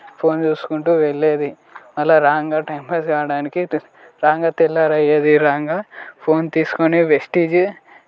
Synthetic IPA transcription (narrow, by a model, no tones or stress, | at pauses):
pʰo̞ːnt͡ʃuːsu̥kuɳʈuːʋeɭːe̞ːd̪i | mɐlːaːɾaːŋɡaːʈɐjmpeːsɡaːɽaːniki | ɾaːŋɡaːt̪ilːaːɾɐjeːd̪iɾaːŋɡaːpʰo̞ːnt̪iːsu̥koniʋesʈiːd͡ʒ